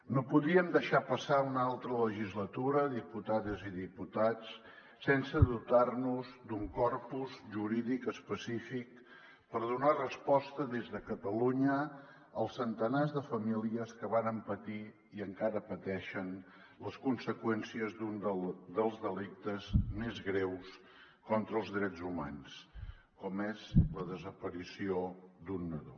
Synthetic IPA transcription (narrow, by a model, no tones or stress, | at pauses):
nopuðiəmd̪əʃapəsaunalˠt̪ɾələʒizlət̪uɾəðiput̪aðəziðiput̪at͡s | sensəðut̪arnuzd̪uŋkɔrpuzʒuɾiðikəspəsifik̚ | pəɾðunarəspɔst̪əðezðəkət̪əluɲə | əlˠsːənt̪ənazðəfəmiliəskəβanəmpət̪i | iəŋkaɾəpət̪ɛʃən | ləskunsəkwɛnsiəzd̪und̪əlˠzðəlik̚t̪əzmezɣɾɛws | kɔnt̪ɾəːlˠzðɾɛd͡zuma̰ns | kɔmezləðəzəpəɾisiod̪unːəðo̰